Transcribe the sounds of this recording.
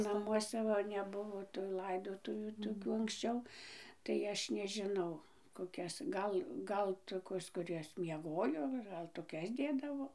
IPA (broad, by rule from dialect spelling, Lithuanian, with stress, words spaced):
nɐˈmuɔsʲɛ ˈʋɐ nʲɛˈbʊʋoː tʊ lˠɐɪˈdoːtʊʋʲuː toːˈkʲuː ɐŋksʲˈt͡ʃʲɛʊ tɐɪ ˈɐʃ nʲɛʒʲɪˈnɐʊ koːˈkʲɛs ˈɡɐlˠ ˈɡɐlˠ ˈtoːkʲoːs kʊˈrʲɛs mʲiɛˈɡoːjoː ɡɐlˠ toːˈkʲɛs ˈdʲeːdɐʋoː